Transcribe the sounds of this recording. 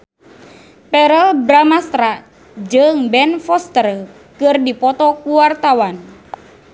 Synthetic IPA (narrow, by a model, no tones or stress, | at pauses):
pɛɾəlbɾamast̪ɾa | d͡ʒɨŋbɛnfɔst̪ər | kɨrdipɔt̪ɔkuwart̪awan